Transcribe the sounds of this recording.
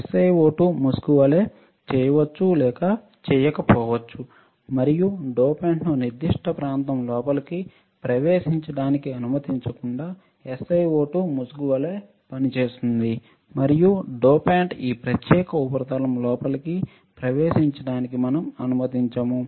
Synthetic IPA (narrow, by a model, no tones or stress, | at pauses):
esɐjʋoːʈumusɡuʋɐleː | t͡ʃɛːjɐʋɐt͡ʃːulɛːkɐ | t͡ʃɛːjɐkɐpɔːʋɐt͡ʃːu | mɐɾijuɖoːpaːɳʈnuniɾd̪iʂʈʰɐpɾaːnt̪ɐmlɔːpɐlɐki | pɾɐʋeːʃiɲt͡ʃɐɽaːnikiɐnumɐt̪iɲt͡ʃɐkuɳɖaː | esɐjoːʈumusɡuʋɐle̞ː | pɐnit͡ʃeːsind̪i | mɐɾijuɖoːpaːɳʈiːpɾɐt̪jɛːkɐupɐɾɐt̪ɐlɐmlɔːpɐlɐki | pɾɐʋeːʃiɲt͡ʃɐɽaːnikimɐnɐmɐnumɐt̪iɲt͡ʃɐmu